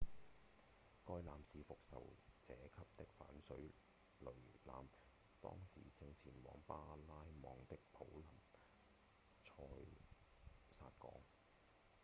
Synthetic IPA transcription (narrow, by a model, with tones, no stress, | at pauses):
kɔː˧jlaː˨msiː˨˧fʊ˨k̚sɐ̰˨˩wt͡sɛː˨˧˥kʰɐ˥p̚t̪ɪ˥k̚fa̰ː˨˥nsɵ˨˥ɥ | lɵ˨˩ɥla̰ː˨m | t̪ɔ̰ː˥ŋsiː˨˩t͡sɪ˧ŋt͡sʰiː˨˩nwɔː˨˧˥ŋpaː˥laː˥jmɔː˨ŋt̪ɪ˥k̚pʰo˨˥wlɐ˨˩m | t͡ʃʰɔː˧j | saː˧t̚kɔ̰ː˨˥ŋ